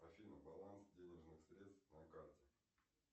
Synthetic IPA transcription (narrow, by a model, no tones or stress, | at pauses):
ɐfʲinəbɐlˠansdʲenʲɪʐnɨxsɾʲet̪st̪fnɐkartʲɪ